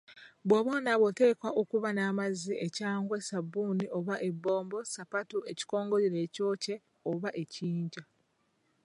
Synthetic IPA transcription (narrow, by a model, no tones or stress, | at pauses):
βwoβonaβwote̞ːkwaʔokuβanaːmaziʔecaːŋɡwesabːuniʔo̞βaʔe̞bːo̞ːmbo̞sapatue̞ci̥ko̞ːŋɡo̞ɾiɾe̞ːco̞ːce̞ | oβaʔe̞ciːɲɟa